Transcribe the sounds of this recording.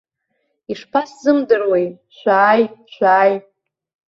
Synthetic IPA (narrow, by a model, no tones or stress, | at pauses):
iʂpʰaszɨmdɨrwej | ʃʷaːjʃʷᶣaːj